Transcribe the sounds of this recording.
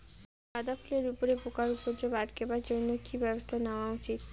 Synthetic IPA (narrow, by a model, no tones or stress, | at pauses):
kad̪apʰuleɾupoɾepokaɾupod͡ʑebaʈkebaɾd͡ʑonːokibɛbost̪ʰaneoaut͡ʃit̪